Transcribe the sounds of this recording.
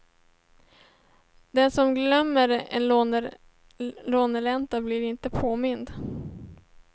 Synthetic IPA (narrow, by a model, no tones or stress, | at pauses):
d̪ɛnsɔmɡlœmːəɾɛ̰nloɾ | loːnəɭɛnt̪ablɪɾɪnt̪əpʰoːmɪnd̪